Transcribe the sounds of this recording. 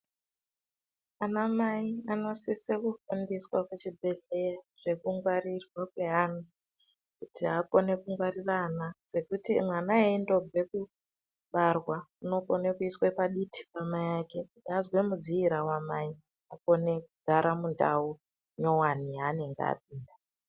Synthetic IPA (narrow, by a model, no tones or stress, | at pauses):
anamaiano̞sisekufundiswaket͡ʃibʱe̞ɮe̞jaʐ̥e̞kuŋɡwarirwakwe̞ɦaːnu | kutʰiɦako̞ne̞kuŋɡwariranaz̥e̞kutḭmwanaeindo̞bʱe̞ku | ɓarwauno̞ko̞nekuiswepaɗitʰi̥pamajake̞kutiazwe̞mud͡ziiɾawamai | ako̞ne̞kuɡʱaɾamunda̰u | ɲo̞waniane̞ŋɡ̰a̰p̚iːnda